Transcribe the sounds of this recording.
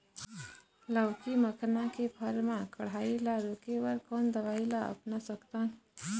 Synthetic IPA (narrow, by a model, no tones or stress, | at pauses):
ləwkiməkʰnakepʰəɾmãkəɽ̤ailaɾokebəɾkɔnd̪əʋailaə̰pnasəkt̪ən